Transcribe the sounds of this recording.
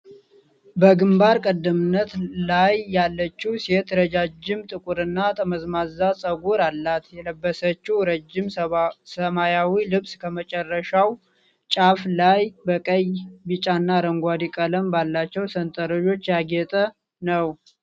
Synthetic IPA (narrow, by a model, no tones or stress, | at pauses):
bəɡɨmbaɾkʼəd̪ːəmɨnːət̪lajːalːət͡ʃːiset̪ɾəd͡ʒad͡ʒɪmt̪ʼɨkʼuɾɨnːat̪ʰʼəməzmazːasʼəɡuɾalːat̪jɛləbːəsət͡ʃːuɾəd͡ʒːɪmsəmajawilɨβsʼkʰəmət͡ʃʼɛrːəʃaw | t͡ʃʼaflajbəkʼəjbɨt͡ʃʼanːaɾəŋɡʷad̪ikʼələmbalːat͡ʃːɛwsənt̪ʼəɾəd͡ʒo̞t͡ʃːjaɡɛt̪ʼə | nəw